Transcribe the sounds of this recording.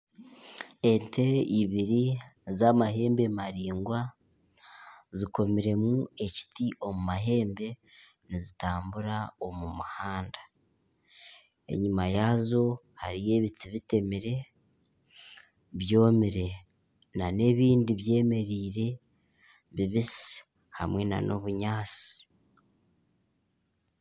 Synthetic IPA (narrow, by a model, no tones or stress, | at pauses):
e̞ntʰe̞iβiɾizamaɦe̞ːmbe̞maɾiːŋɡwa | ziko̞miɾe̞mue̞ci̥tiʔo̞mumaɦe̞ːmbe̞ | nizitaːmbuɾao̞mumuhaːndḁ | e̞̰ɲimajazo̞ | ha̰ɾije̞ːβitiβite̞miɾe̞ | βjo̞ːmiɾe̞ | nane̞ːβiːndiβje̞ːme̞ɾiːɾe̞ | βiβisi̥ | ha̰mwe̞na̰no̞̰βuɲaːt͡si̥